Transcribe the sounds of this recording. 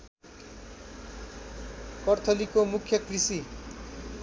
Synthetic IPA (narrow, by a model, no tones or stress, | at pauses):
kʌrt̪ʰʌlikomukʰːjʌkrisi